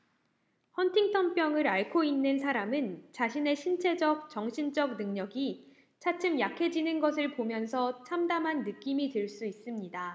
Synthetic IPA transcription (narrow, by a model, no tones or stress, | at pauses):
hʌntʰiŋtʰʌmp͈jʌŋɯɾaɭkʰoinːɯnsʰaɾamɯnt͡ɕaɕʰine̞ɕʰint͡ɕʰe̞d͡ʑʌk̚t͡ɕʌŋɕʰind͡ʑʌk̚nɯŋɲʌɡi | t͡ɕʰat͡ɕʰɯmjakʰe̞d͡ʑinɯnɡʌsʰɯɭpomjʌnsʰʌt͡ɕʰamdamɦanːɯk͈imitɯɭs͈uis͈ɯmɲida